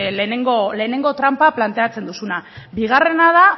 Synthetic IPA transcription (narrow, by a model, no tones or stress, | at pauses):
leneŋɡole̞ːne̞ŋɡo̞t̪ɾampaplant̪e̞at͡se̞nd̪usunabiɣ̞are̞nað̞a